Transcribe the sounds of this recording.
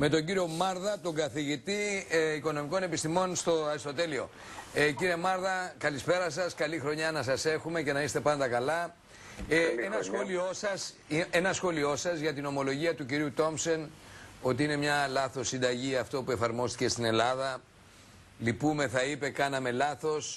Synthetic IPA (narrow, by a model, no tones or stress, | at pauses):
me̞t̪o̞ɲɟiɾio̞mɐɾðɐt̪o̞ŋɡɐθiʝit̪ieiko̞no̞miko̞ne̞pist̪imo̞nst̪ost̪o̞t̪e̞lio̞ | ciɾie̞mɐɾðɐkɐlispe̞ɾɐsɐskɐlixɾo̞ɲɐnɐsɐse̞xume̞ce̞nɐist̪e̞pɐnd̪ɐkɐlɐ | enɐsxo̞lio̞sɐs | enɐsxo̞lio̞sɐzʝɐt̪ino̞mo̞lo̞ʝiɐt̪uciɾiut̪o̞mso̞no̞t̪iine̞mɲɐlɐθo̞sːind̪ɐʝiɐft̪o̞pue̞fɐɾmo̞st̪i̥ce̞st̪ine̞lɐðɐ | lipume̞θɐipe̞kɐnɐme̞lɐθo̞s